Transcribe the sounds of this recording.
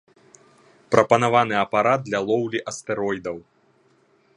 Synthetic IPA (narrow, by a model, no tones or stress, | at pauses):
pɾʔɐpɐnavanɨɐpaɾad̪̚d̪lʲɐlˠɔwlʲiʔɐst̪ɛɾɔjd̪ɐw